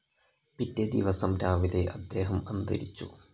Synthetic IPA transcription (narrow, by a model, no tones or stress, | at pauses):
pitːed̪iʋɐsɐmɾaːʋile̞ʔɐd̪ːe̞ːɦɐmɐnd̪ɐ̰ɾit͡ɕːṵ